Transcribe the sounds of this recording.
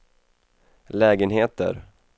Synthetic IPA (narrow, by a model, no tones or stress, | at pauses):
lɛːɡənɦeːt̪ə̰ɾ